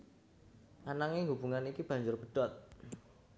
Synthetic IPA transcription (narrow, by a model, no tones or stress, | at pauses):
ʔanaŋeŋɦubuŋanikib̥ä̤ɲd͡ʒʊrbəɖ̥ɔt̪̚